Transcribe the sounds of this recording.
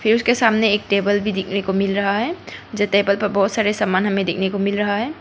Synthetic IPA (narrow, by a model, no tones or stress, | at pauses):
pʰɪɾʊskesamneːk̚ʈebəlbʱid̪ekʰnekomɪlɾɐɦaɦɛd͡ʒet̪ebəlpɐɾbɔɦʊt̪saɾesamaːnɦɐmed̪ekʰnekomɪlɾɐɦaɦɛː